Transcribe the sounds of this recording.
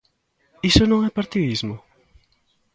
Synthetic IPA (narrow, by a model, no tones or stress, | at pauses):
isʊnɐ̃ŋɛpaɾt̪iðizmʊ